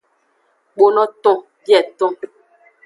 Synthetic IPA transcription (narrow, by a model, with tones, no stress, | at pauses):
ɓo˦nɔ˦tɔ̃˦ | pjɛ˨tɔ̃˦